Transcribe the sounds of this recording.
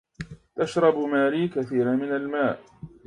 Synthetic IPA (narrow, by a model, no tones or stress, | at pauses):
t̪aʃɾˤɑbmaːɾiːkaθiːɾamɪnalmaːʔ